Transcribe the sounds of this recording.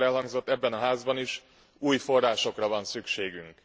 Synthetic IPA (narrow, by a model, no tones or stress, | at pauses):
ɛlɦɒŋɡzo̞t̪ːɛbːɛnɒɦaːzbɒniʃ | uːjfo̞rːaːʃo̞krɒvɒnsykʃeːɡyŋk